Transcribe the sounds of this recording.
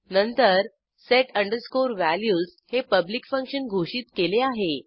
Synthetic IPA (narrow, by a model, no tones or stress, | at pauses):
nənt̪əɾ | seʈəɳɖəɾskoɾʋæljuːshepəblikfə̃ŋkʂənɡʱoʂiːt̪keleaɦe